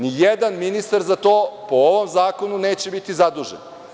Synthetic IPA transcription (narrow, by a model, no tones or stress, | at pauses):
nijed̪anminist̪aɾzat̪o̞ːpooʋo̞mzaːko̞nuneːt͡ɕe̞bit̪izad̪uːʒḛn